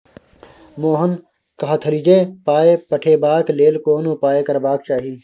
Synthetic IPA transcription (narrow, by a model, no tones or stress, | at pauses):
moːɦən | kɐɦat̪ʰəlid͡ʒeːpaːepəʈʰeːbaːkleːlkoːnʊpaːekəɾbaːk̚t͡ʃaːɦiː